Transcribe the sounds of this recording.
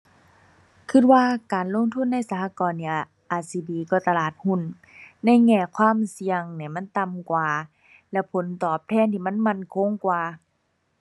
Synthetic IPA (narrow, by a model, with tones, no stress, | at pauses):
kʰɯ˧˩t̪̚waː˧˨kaː˨nlo˧˥˨ŋt̪ʰu˧˥˨nːa˧˥˨jsa˧pʰaː˧˨kɔː˨nːi˧˩ | ʔaː˨˧˩siː˧biː˧˨kɔː˧˩t̪a˧laː˧˨˩t̪̚hu˧˩˨nː | a˧˥˨jŋɛː˧˩kʰwaː˧˥˨msi˧əŋni˧˩˨ma˧˥˨nt̪a˨mkwaː˨˩ | lɛ˧pʰo˨˦nt̪ɔː˨˩p̚t̪ʰɛː˧˥˨nt̪ʰiː˧˩ma˧˥˨nma˧˥˨nkʰo˧˥˨ŋkwaː˧˩